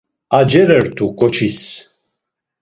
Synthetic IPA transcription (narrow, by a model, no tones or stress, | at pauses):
ad͡ʒɛɾɛɾt̪ʰukʼɔt͡ʃʰis